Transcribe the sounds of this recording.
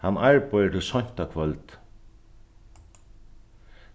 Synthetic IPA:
hanːaɹpɔjəʈʰɪlsɔɲ̥t̪akʰvœlt̪

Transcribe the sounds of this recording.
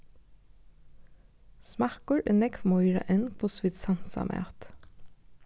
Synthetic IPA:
smɑkəɹʔɛnɛkmɔʏɾɑ̰ʔɛnpʰoːsʋɪt̪sɑnsɑ̰mʔḛːt̪

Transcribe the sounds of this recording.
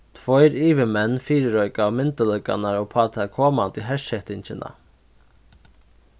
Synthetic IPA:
t̪ʰʋɔʏɾiːʋəmɛnfiːɾəɾɔʏkɑːmɪnt̪əlœʏkɑ̰næɾoːpʰɑːt̪ʰækʰoːmɑnt̪iːhɛʃhɛt̪ɪnçənʔɑ̰

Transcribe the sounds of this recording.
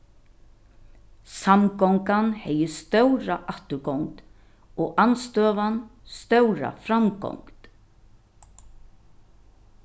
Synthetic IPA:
samkɔŋkanhɛjəst̪œwɾaʔaht̪ʏɾɡɔwŋt̪ | ɔɣʔanst̪œːʋanst̪œwɾa̰fɾamkɔ̰wŋt̪

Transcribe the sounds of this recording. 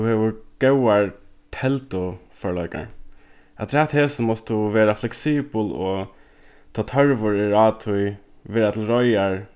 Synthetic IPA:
ʊheːʋʊɡ̥ɛwaɹt̪ʰɛlt̪ʊfɔɹɭœɪka̰ɹ | at̪ʰɾæt̪heːsəmɔst̪ʊʋeːɾaflɛksiːbəlo | t̪ʰɑːt̪ʰœɹʋʊɹɪɹɑːt̪ʰʊj | ʋɪːðat̪ʰɪlɾɔjaɹ

